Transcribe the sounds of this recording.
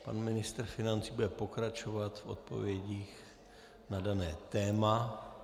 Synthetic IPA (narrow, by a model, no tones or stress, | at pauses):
pa̰nmɪnɪst̪r̩fɪnant͡siːbudɛpo̞kɾat͡ʃovat̪fʔo̰t̪̚po̞̰vjɛɟiːx | nadanɛːt̪ɛːma